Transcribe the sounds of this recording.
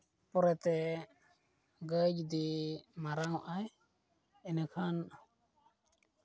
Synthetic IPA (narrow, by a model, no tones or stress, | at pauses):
pɔɾɛt̪ɛ | ɡəd͡ʒd̪imaɾawʔaj | ɛnɛkʰan